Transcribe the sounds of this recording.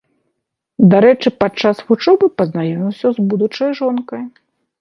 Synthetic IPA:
d̪aɾɛt͡ʂɨpat͡ʂːasɣut͡ʂɔbɨpɐznajɔmʲiwsʲɐzbud̪ut͡ʂɐjʐɔnkɐj

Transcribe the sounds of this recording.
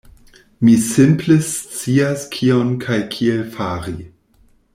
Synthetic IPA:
misɪmplest͡siaskʰionkʰajkʰielfaɾi

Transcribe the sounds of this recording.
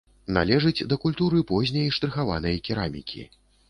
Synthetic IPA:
na̰lʲɛʐɨd͡zʲd̪ɐkulʲt̪uɾɨpɔzʲnʲɐjiʂt̪ɾɨxava̰nɐjɐkʲiɾamʲḭkʲʰḭ

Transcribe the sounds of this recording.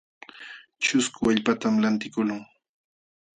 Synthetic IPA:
t͡ʃʊskʊaʎpat̪amlant̪ɪkʊlʊŋ

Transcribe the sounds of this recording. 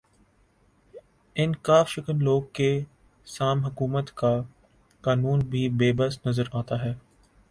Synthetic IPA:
ɪnkaːfʃɪkənloːɡ̚ke | saːmɦɐkuːmət̪ka | kaːnuːnbʱibeːbəsnɐzəɾaːt̪aɦɛː

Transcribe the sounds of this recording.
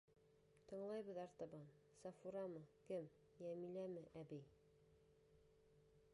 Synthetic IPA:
t̪ɤ̆ɴlˠɑjbɤ̆ðɑɾt̪ɑbɑn | sɑfuɾɑmɤkɘm | jæmilæmɘʔæbij

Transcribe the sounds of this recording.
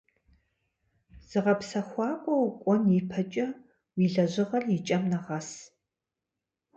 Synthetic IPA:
z̥ɨʁɐpsɐxʷɑːkʷʼɔwkʷʼɔnjipʰɐt͡ʃʼɐ | wiːɮɐʑɪʁɐɮjit͡ʃʼɐmnɐʁɐs

